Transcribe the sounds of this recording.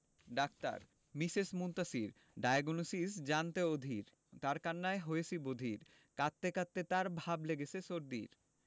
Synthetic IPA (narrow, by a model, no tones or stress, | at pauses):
ɖak̚t̪a̰ɾ | misesmunt̪asiɾ | ɖajɡonusisd͡ʑant̪eod̪ʱiɾ | t̪aɾkanːaeɦojesibod̪ʱiɾ | kat̪ːekat̪ːet̪aɾbʱableɡet͡ɕʰeʃoɾd̪ḭɾ